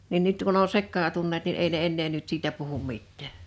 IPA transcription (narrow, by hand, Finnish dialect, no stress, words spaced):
nin nyt kun o sekːɑːtunːet nin ei ne enːeː nyt siːtæ puhum mitˑæˑ